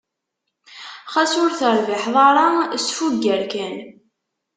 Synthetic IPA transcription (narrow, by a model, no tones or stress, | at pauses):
χæsʊɾθəɾviħðˤɑɾˤɑsfuɡːəɾkæn